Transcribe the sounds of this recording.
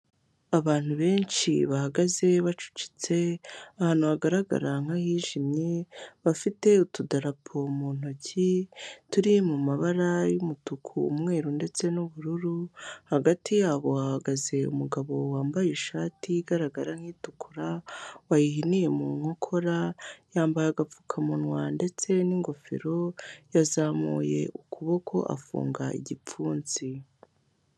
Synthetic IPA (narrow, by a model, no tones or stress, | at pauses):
aβaːn̥huβe̞ːnʃiβahaɡaze̞βat͡ʃu̥ci̥t͡se̞ahaːn̥uhaɡaɾaɡa̰ɾaŋ̥ahiːʒimɲeβafite̞utudaɾapʰo̞muːn̥ocʰituɾimumaβaɾajumutukʰṵːmŋe̞ːɾunde̞t͡se̞nuβuɾuɾuhaɡatijaːβo̞wahaɡaze̞ṵmuɡaβo̞waːmbajeʃaːtiɡaɾaɡaɾaŋhiːtukʰuɾawajiɦinije̞muŋho̞kʰo̞ɾajaːmbajaɡap͡fu̥kʰamunwande̞t͡se̞niŋɡo̞fḛɾo̞jazaːmṵːje̞̰ʔukʰuβo̞kʰo̞ʔa̰fṵːŋɡaʔḭɟip͡fuːnzi